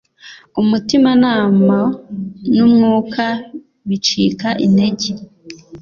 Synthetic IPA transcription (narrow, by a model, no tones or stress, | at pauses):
umutimanaːmanumŋuːkʰa | βit͡ʃiːkaʔinde̞ɟe